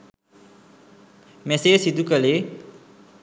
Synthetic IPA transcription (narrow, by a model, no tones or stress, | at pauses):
mesesid̪ukʌle